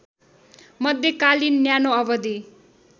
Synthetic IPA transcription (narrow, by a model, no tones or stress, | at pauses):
mʌd̪ʱjʌkalinːjanoʌbʌd̪i